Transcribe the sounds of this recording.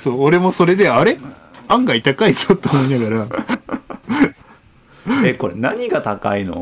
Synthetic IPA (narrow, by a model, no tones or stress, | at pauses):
soːɾe̞mo̞soɾe̞d̪e̞aɾe̞ | ãŋɡait̪akaizot̪ːeomoinaɡaɾa | ekoɾenaɲ̟iɡat̪aka̰ino̰